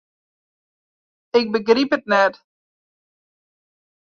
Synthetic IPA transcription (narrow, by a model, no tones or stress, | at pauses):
ɪk̚bəɡripətnɛt